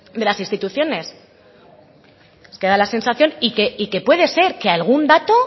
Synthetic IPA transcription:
d̪e̞lasinst̪it̪uθjo̞ne̞s | ske̞ðalase̞nsaθjo̞nikeike̞pwe̞ðe̞se̞ɾke̞alɣ̞und̪at̪o̞

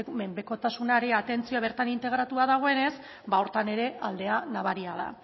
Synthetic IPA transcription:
me̞mbe̞ko̞t̪asunaeɾe̞at̪e̞nt͡sioaβ̞e̞ɾt̪anint̪e̞ɣ̞ɾat̪uaðaɣ̞o̞e̞ne̞s | baoɾt̪ane̞ɾe̞ʔald̪e̞anaβaɾiaða̰

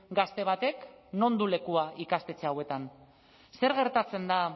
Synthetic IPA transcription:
ɡast̪e̞β̞at̪e̞kno̞nd̪ule̞kuaikast̪e̞t͡seawe̞t̪an | se̞ɾɣ̞e̞ɾt̪at͡se̞nd̪a

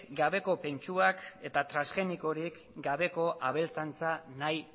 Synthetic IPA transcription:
ɡaβe̞ko̞pe̞nt͡ʃuake̞t̪at̪ɾasɣe̞niko̞ɾik | ɡaβe̞ko̞ʔaβ̞e̞lt͡sant͡sanaj

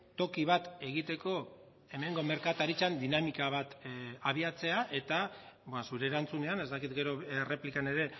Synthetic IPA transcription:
t̪o̞kiβ̞at̪e̞ɣ̞it̪e̞ko̞ | e̞me̞ŋɡo̞me̞ɾkat̪aɾit͡ʃand̪inamikaβ̞at̪aβiat͡se̞aʔe̞t̪absuɾe̞ːɾant͡sune̞ane̞zt̪akit̪ɡe̞ɾo̞re̞plikane̞ɾe̞

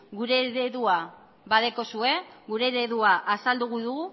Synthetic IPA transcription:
ɡuɾe̞ɾeðua | baðeko̞sue̞ɣuɾe̞ɾe̞ðuaʔasald̪uɣ̞uðuɣu

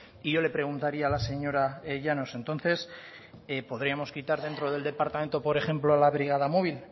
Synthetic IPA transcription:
iʝo̞le̞pɾe̞ɣ̞unt̪aɾiaːlase̞ɲo̞ɾaeʝano̞se̞nt̪o̞nθe̞s | epo̞ðɾiamo̞skit̪aɾðe̞nt̪ɾoð̞eld̪e̞paɾt̪ame̞nt̪o̞po̞ɾe̞χe̞mploalaβ̞ɾiɣ̞að̞amo̞β̞il

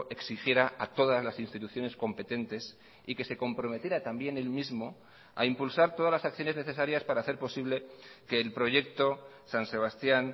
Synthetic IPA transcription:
ʔe̞ksixje̞ɾaat̪o̞ðazlasinst̪it̪uθjo̞ne̞sko̞mpe̞t̪e̞nt̪e̞s | ike̞se̞ko̞mpɾo̞me̞t̪je̞ɾat̪ambje̞ne̞lmizmo̞ | a̰impulsaɾt̪o̞ðazlasak̚θjo̞ne̞zne̞θe̞saɾjaspaɾaːθe̞ɾpo̞siβle̞ke̞ːlpɾo̞ʝe̞k̚t̪o̞ | sanse̞β̞ast̪jan

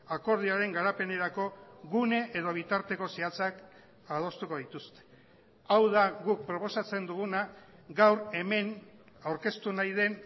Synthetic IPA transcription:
ako̞ɾð̞iaɾe̞ŋɡaɾape̞ne̞ɾako̞ɣune̞ʔeð̞o̞β̞it̪aɾt̪e̞ko̞siat͡sak | að̞o̞st̪uko̞ðit̪ust̪e̞̥ | awðaɣuk̚pɾo̞po̞sat͡se̞nd̪uɣunaɡawɾe̞me̞n | awɾke̞st̪unajðe̞n

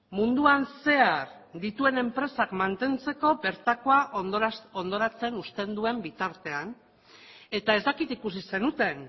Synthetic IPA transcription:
mund̪uanse̞aɾ | d̪it̪ue̞ne̞mpɾe̞sakmant̪e̞nt͡se̞ko̞be̞ɾt̪ako̞aʔo̞nd̪o̞ɾat͡se̞nust̪e̞nd̪ue̞mbit̪aɾt̪e̞an | e̞t̪ae̞zd̪akit̪ikus̬ise̞nut̪e̞n

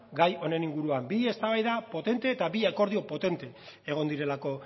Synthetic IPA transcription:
ɡajo̞ne̞niŋɡuɾuambie̞st̪aβajðapo̞t̪e̞nt̪e̞ːt̪aβiako̞ɾð̞io̞po̞t̪e̞nt̪e̞ːɣ̞o̞nd̪iɾe̞lako̞

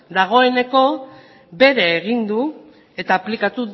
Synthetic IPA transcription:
d̪aɣ̞o̞e̞ne̞ko̞ | be̞ɾe̞ːɣ̞ind̪u | e̞t̪aːplikat̪u

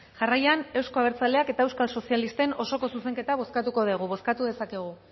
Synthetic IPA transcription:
ʝarajane̞wsko̞aβ̞eɾt͡sale̞ake̞t̪aewskalso̞sialist̪e̞no̞so̞ko̞suse̞ŋke̞t̪aβ̞o̞skat̪uko̞ð̞eɣ̞uβ̞o̞skat̪uðe̞sake̞ɣ̞u

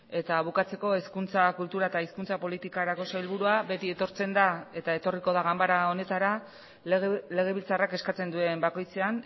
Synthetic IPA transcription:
e̞t̪aβukat͡se̞ko̞eskunt͡sakult̪uɾaet̪aiskunt͡sapo̞lit̪ikaɾako̞sailβ̞uɾuaβe̞t̪ie̞t̪o̞ɾt͡se̞nd̪ae̞t̪ae̞t̪o̞riko̞ðaɣambaɾao̞ne̞t̪aɾa | le̞ɣ̞e̞βilt͡sarake̞skat͡se̞nd̪ue̞mbako̞jt͡se̞an

